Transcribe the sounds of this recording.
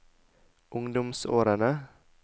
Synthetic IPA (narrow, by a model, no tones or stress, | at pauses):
ʔʊŋd̪ʊmso̰ːɾənə